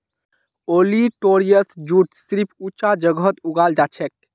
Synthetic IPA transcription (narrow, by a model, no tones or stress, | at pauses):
oliʈoɾijəsd͡ʒuʈsɾipʰut͡ʃad͡ʒəɡət̪uɡald͡ʒat͡ʃʰɛk̚